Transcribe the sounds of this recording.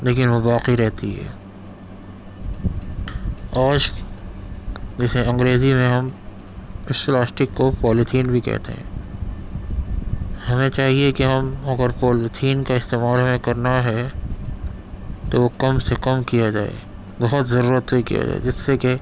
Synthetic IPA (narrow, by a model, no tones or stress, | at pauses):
leːkɪnʋobaːqiɾɛɦt̪iɦɛ̰ː | aːʃ | d͡ʒɛːseɐ̃ŋɡɾeːzimẽɦɐm | ɪʃlaːsʈɪkːopɔːlɪt̪ʰiːnbʱikɛ̰ɦt̪ḛɦɛ̰̃ː | hɐmẽt͡ʃaːɦiekeɦɐmɐɡəɾpɔːlɪt̪ʰiːnkaɪst̪eːmaːlɦɐmẽkɐɾnaɦɛ | t̪oʋokɐmsekɐmkijad͡ʒaːḛ | bɐɦʊt̪zɐɾuːɾət̪ɦoikḭja̰d͡ʒa̰ːḛd͡ʒɪsːeke